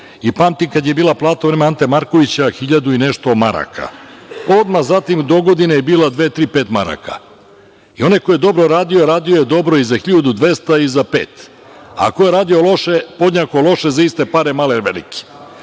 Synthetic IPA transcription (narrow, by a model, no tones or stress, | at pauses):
ipamt̪ikad̪jebiːlˠaplˠaːt̪auvɾeːmeant̪emaɾko̞ʋit͡ɕaxiʎad̪uineʃt̪omaɾa̰kʰa̰o̞d̪mazat̪imd̪o̞ɡod̪inejebiːlˠad̪ʋet̪ɾiːpeːt̪maɾa̰kʰa̰ | io̞nejkojed̪o̞bɾoɾaːd̪ioɾaːd̪ijojed̪o̞bɾo̞izaxiʎod̪ud̪ʋe̞st̪aizapeːt̪ | a̰kojeɾaːd̪io̞lˠo̞ʃepo̞d̪ɲakolˠo̞ʃezaist̪e̞paɾemaːleʋḛlḭki̥